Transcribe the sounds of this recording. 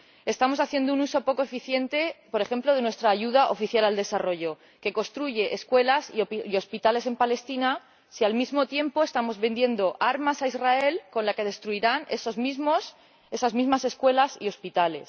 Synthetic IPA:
e̞st̪amo̞saθje̞nd̪ounuso̞po̞koe̞fiθje̞nt̪e̞po̞ɾe̞xẽ̞mplo̞ð̞e̞nwe̞st̪ɾaːʝuð̞aʔo̞fiθjalald̪e̞saro̞ʝo̞ | ke̞ko̞st̪ɾuʝe̞ʔeskwe̞lasiio̞spit̪ale̞se̞mpale̞st̪ina | sialmizmo̞t̪je̞mpo̞e̞st̪amo̞zβe̞nd̪je̞nd̪o̞ʔaɾmasaizrae̞lko̞nlake̞ð̞est̪ɾuiɾane̞sozmizmos | e̞sazmizmase̞skwe̞lasio̞spit̪ale̞̰s

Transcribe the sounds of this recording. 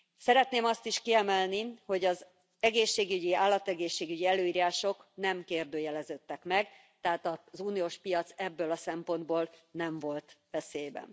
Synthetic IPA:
sɛɾɛt̪neːmɒst̪iʃkiɛmɛlniho̞ɟɒz | ɛɡeːʃːeːɡyɟiaːlːɒt̪ɛɡeːʃːeːɡyɟiɛløːiːɾaːʃo̞knɛmkeːrd̪øːjɛlɛzøt̪ːɛkmɛɡ | t̪ɛaːt̪ɒzuːnioːʃpijɒt̪sɛbːøːlɒsɛmpo̞nd̪boːlnɛɱvo̞lt̪ʋɛseːbɛ̰n

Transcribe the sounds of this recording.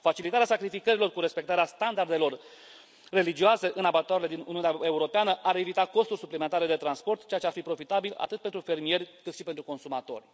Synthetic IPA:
fat͡ʃilit̪aɾeasakɾifikəɾilo̞rkuɾe̞spe̞k̚t̪aɾeast̪and̪ard̪e̞lo̞r | re̞lid͡ʒioase̞ʔɨnabat̪oaɾele̞d̪inṵniuneaeuɾo̞peanəʔaɾe̞vit̪ako̞st̪urʲsuplime̞nt̪aɾe̞d̪e̞t̪ɾanspo̞rt̪t͡ʃe̞jat͡ʃearfipɾo̞fit̪abila̰t̪ɨt̪̚pe̞nt̪ɾufe̞rmie̞rʲkɨt̪ʃipet̪ɾuko̞nsumat̪o̞̰rʲ

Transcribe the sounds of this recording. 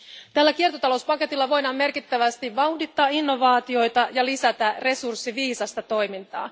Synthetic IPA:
t̪ælːæk̟iert̪o̞t̪ɑlo̞wspɑke̞t̪ilːɑʋo̞jnɑmːe̞rkit̪ːæʋæst̪iʋʋɑwhdit̪ːɑːinːo̞ʋɑːt̪io̞jt̪ɑjɑlisæt̪ære̞sursːiʋiːsɑst̪ɑt̪o̞jmint̪ɑ̰ː

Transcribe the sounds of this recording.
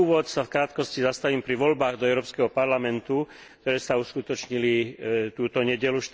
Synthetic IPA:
uːʋɔt̪safkɾaːt̪kɔscizast̪aʋiːmpɾiʋɔlbaːɣd̪ɔɛʊɾɔːpskɛɦɔpaɾlamɛnt̪u | k̚t̪ɔɾɛːsauskut̪ɔt͡ʃɲilit̪uːt̪ɔɲɛɟɛluʃt̪

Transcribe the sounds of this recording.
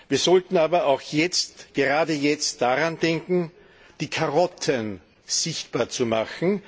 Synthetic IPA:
viːɐzɔltn̩aːbɐaʊxjɛt͡stɡ̥əʁaːdəjɛt͡std̥aʁandɛŋkŋ̩ | d̥iːkʰaʁɔtʰən | z̥ɪçtb̥aːɐt͡sumaxn̩

